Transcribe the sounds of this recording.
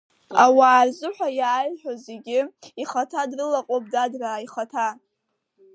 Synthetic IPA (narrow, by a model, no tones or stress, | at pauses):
awaːrzʷɨħʷᶣajaːjħʷᶣoze̞ɡʲɪiχatʰadrɨlaqʼop̚dadraiχatʰa